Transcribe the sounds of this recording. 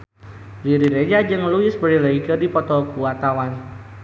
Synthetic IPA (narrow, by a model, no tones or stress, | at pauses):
ɾiɾiɾed͡ʒad͡ʒɨŋluɪsbəɾiləikədipɔt̪ɔkuat̪awan